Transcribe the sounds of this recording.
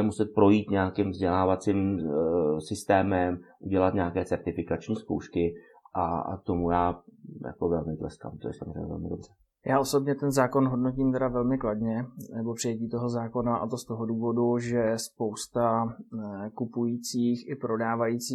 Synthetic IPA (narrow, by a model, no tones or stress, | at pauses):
ɛmusɛt̪̚pɾo̞jiːt̪ɲɛakɪmvzɟɛlaːvat͡siːm | sɪst̪ɛːmɛmʔuɟɛlat̪ɲɛakɛːt͡sɛɾt̪ɪfɪkat͡ʃɲiːsko̰wʃkɪ | ʔa̰t̪omujaːja̰kovɛlmɪt̪lɛ̰ska̰ːmt̪ojɛ̰sa̰mrḛjɲɛ̰vɛ̰lmɪdo̞br̥ɛ | jaːʔo̞so̞bɲɛt̪ɛnzaːko̞nɦo̞dnociːmt̪ɛdavɛlmɪkladɲɛnɛbo̞pr̥ɪjɛciːt̪o̞ɦo̞zaːko̞naʔa̰t̪o̞st̪o̞ɦo̞duːvo̞duʒɛspo̞wst̪a | kupujiːt͡siːxɪpɾo̞daːvajit͡siː